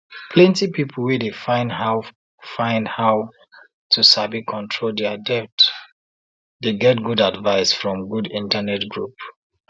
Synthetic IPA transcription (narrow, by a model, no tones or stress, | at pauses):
pʰlɛ̃ntipipʰlwedefãɪ̃nhaʊ | fãɪ̃ndhaʊ | tʰusabikʰɔ̃ntʰɹoldɛadɛp̚t | deɡɛtɡudadvaɪsfɹɔ̃mɡudĩntanɛtɡɹup